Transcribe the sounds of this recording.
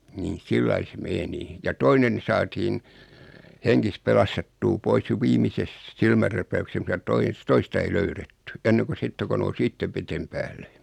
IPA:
nin̞ silːɑi se meni jɑ toinen sɑːtiːn heŋkis pelɑstetːuː pois jo ʋiːmises silmærːæpæykses mutɑ tois toistɑ ei løyretːy enːeko sitːe ko nous itːeʋ ʋetem pæːlːe

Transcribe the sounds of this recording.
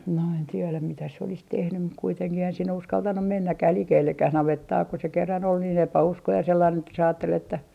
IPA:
no en tielæm mitæ se olis tehnym mut kuiteŋkih eihæn sinːe uskɑltɑnum menːækːæh likeːlːekːæh nɑʋetːɑː ku se kerːɑn ol niːn epæuskoi jɑ selːɑin etːæ se ɑːtːel etːæ

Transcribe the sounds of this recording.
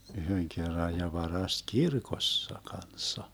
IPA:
yhøŋ kerːɑj jɑ ʋɑrɑst kirkosːɑ kɑnsːɑ

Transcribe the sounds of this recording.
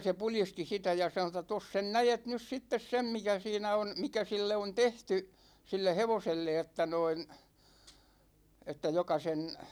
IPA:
se pulisti sitæ jɑ sɑnŏ tˑɑ tos sen næjet nys sitːes sem mikæ siːnæ on mikæ silːe on tehty silːe heʋoselːe etːæ noin etːæ jokɑ sen

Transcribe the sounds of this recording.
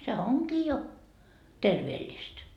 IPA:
se oŋkiː jo terʋeːlʲːist

